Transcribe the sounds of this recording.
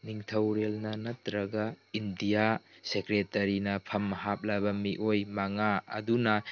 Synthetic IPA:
niŋtʰɐwɾelnɐnɐt̪ɾɐɡaindijasekɾetɐɾinɐpʰɐmːɐɦap̚labɐmiʔojmaŋaɐ̰dunɐ

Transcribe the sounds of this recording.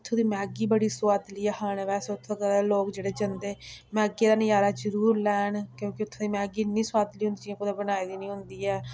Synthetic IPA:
t̪ʰːõːd̪iːmɛːɡiːbəɽiːsʊwaːd̪liːɛhaːɳʋɛːsːʊt̪ʰʋəɡɛːɾeːloːkd͡ʒeːɽeːd͡ʒənd̪eːmɛːɡeːd̪aːnɪjaːɾaːd͡ʒəɾuːɾlɛːɳkjõːkɪʊt̪ʰːõːd̪iːmɛːɡiːnĩːsʊwaːd̪liːɦʊ̃nd̪id͡ʒiãkʊd̪ãːbənaːiːd̪iːnĩːɦʊ̃nd̪iːɛː

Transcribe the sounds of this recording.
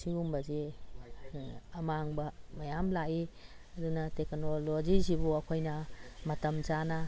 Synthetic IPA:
sʰiumbɐzi | ɐmaŋbɐmɐjamlaiɐdunɐteknolod͡ʒizibuɐkʰojnɐmɐtɐmzanɐ

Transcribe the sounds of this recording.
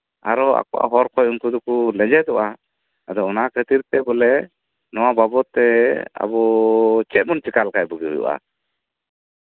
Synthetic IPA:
aɾɔa̰kɔʔa̰ɦɔɾkʰɔjuŋkud̪ukulɛd͡ʒɛd̪ɔʔa | ad̪ɔɔnakʰət̪iɾt̪ɛbɔlɛ | nɔwababɔt̪ɛa̰bɔt͡ʃɛt̪̚mɔnt͡ʃikalkajbɔɡiṵjṵʔa̰

